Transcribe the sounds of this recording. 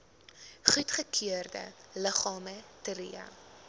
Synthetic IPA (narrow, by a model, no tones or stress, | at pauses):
χutχəkʰiərdə̰ləχɑːmətəɾiɐ̰